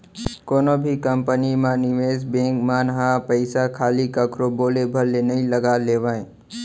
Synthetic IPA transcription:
koːnobʱikəmpənimãnɪʋeːsbẽːkmaːnɦapəɪsakʰaːlikəkɾoboːlebʱəɾenəĩləɡaleːʋaːẽ

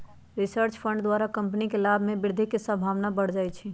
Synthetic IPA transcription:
ɾisəɾt͡ʃpʰə̃ɳɖd̪waɾakəmpnikelabʱmẽbɪɾd̪ʱikesəbʱaʋnabəɽ̤d͡ʒajt͡ʃʰi

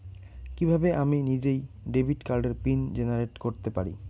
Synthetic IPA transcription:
kibʱabeʔaminid͡ʑejɖebʱiʈkaɾɖeɾpind͡ʑenaɾeʈkoɾt̪epaɾḭ

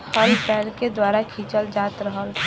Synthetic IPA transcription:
həlpɛːlked̪waːɾakʰiːt͡ʃəld͡ʒaːt̪ɾəɦəl

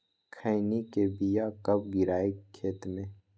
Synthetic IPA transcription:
kʰajnikebijakɐb̚ɡɪɾaːekʰːeːt̪mẽː

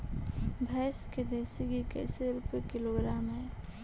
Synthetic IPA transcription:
bʱɛːsked̪eːsiɡikɛ̰ːseɾuːpekɪloɡɾaːmɦɛː

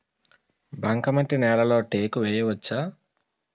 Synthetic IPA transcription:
bʱɐŋkɐmɐɳʈinɛːɾɐlo̞ːʈeːkuʋeːjɐʋɐt͡ʃːaː

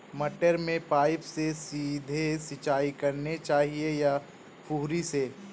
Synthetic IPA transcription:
mɐʈəɾmẽpaːɪpsesiːd̪ʱesɪt͡ʃaːikɐɾnet͡ʃaːɦieja | pʰuːɾise

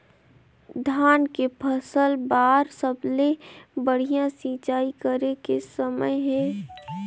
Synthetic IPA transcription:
d̪ʱaːnkepʰəsəlbaːɾsəblebəɽ̤ijãsit͡ʃaːikəɾekesəməjɦɛ̃ː

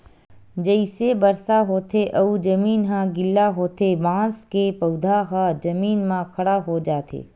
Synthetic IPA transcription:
d͡ʒəɪsebɐɾsaɦoːt̪ʰeʔɐud͡ʒɐmiːnɦãɡɪlːaɦoːt̪ʰebãːskepɐʊd̪ʱaɦãd͡ʒɐmiːnmãkʰɐɽaɦod͡ʒaːt̪ʰḛː

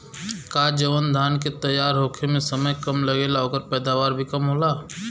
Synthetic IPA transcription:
kaːd͡ʒəʋənd̪ʱaːnket̪ɐjːaːɾɦoːkʰemẽsəməjkɐmləɡelaoːkəɾpɛːd̪aːʋaːɾbʱikɐmɦoːlaː

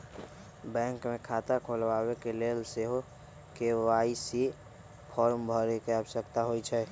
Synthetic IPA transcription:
bɛ̃ːŋkmẽkʰaːt̪akʰolʋawekelelseɦo | kewaːisi | pʰɔːɾmbʱəɾekeəbʃəkt̪aɦoit͡ʃʰɛ

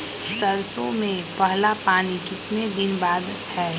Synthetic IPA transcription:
sɐɾsõmẽpɐɦlapaːnikɪt̪ned̪ɪnbaːd̪ | hɛː

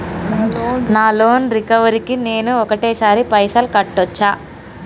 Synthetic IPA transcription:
naːloːnɾikɐʋɐɾikine̞ːnuɔkɐʈeːsaːɾipɐjsɐlkɐʈːɔt͡ʃːaː

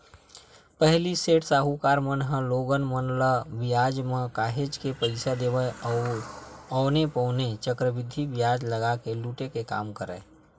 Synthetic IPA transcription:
pəɦliseːʈsaːɦukaːɾmənɦə̃loɡənmənləbɪjaːd͡ʒmẽkaːɦed͡ʒkepəɪsad̪eːʋəɔʊ | ɔːnepɔʊnet͡ʃəkɾəbɪd̪ʱːibɪjaːd͡ʒləɡakeluːʈekeka̰ːmkəɾə̰ː

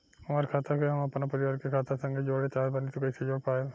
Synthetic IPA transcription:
hɐmaːɾkʰaːt̪ʰakeɐmɐpnapɐɾɪʋaːɾkekʰaːt̪asɐ̃ŋɡed͡ʒoːɽet͡ʃaːɾbalit̪okɐised͡ʒoːɽpaːe

